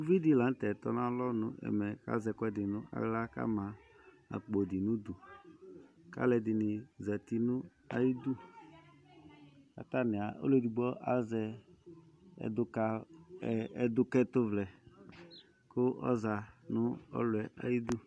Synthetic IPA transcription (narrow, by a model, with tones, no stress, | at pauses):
u˦vi˦di˨˦la˨n˦t̪ɛ˨t̪ɔ˦nã˦lɔ˦nʊ̰̃˦ʔɛ̰˨mɛ˨ka̰˦zɛ˨kɔ˦ɛ˨dɪ˨nʊ̃˦ʔa̰˨ɣla˦ka̰˦mã˨ | a̰˨k͡po˨dɪ˨nʊ̃˦d̪ʊ˨ | ka̰˦lɛ˨dɪ˨nɪ˨za˨t̪i˦nʊ̃˦ | a˨ji˦d̪u˦ | a̰˨t̪a˦nɪ̃˨a˨ʔo̰˦le˦˨di˨ɡ͡bɔ˦ʔa˨zɛ˨ | ɛ̰˨dʊ˦ka˦˨ | ɛ˨d̪ʊ˦kɛ˦t̪ʊ˦vlɛ˨ | kʊ˦ʔɔ̰˦za˨nʊ˦ɔ̰˦lʊ˨ɛ˨ʔa̰˨ji˦d̪u˦